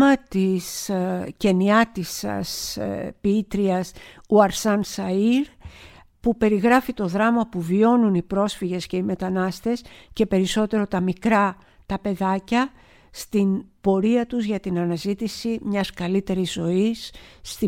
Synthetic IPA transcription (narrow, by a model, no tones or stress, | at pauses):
ɐt̪isce̞niɐt̪isɐ̰spiit̪ɾiɐsuɐɾsɐnsɐiɾ | pupe̞ɾiɣɾɐfit̪o̞ðɾɐmɐpuvio̞nunipɾo̞sfiʝe̞sce̞ime̞t̪ɐnɐst̪e̞sce̞pe̞ɾiso̞t̪e̞ɾo̞t̪ɐmikɾɐ | t̪ɐpe̞ðɐcɐ | st̪inb̥o̞ɾiɐt̪uzʝɐt̪inɐnɐzit̪isimɲɐskɐlit̪e̞ɾizo̞ist̪i